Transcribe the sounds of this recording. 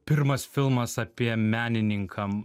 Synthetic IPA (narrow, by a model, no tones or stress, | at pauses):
pʲɪɾmɐsfʲɪlˠmɐsɐpʲiɛmʲæːnʲɪnʲɪŋkʰɐm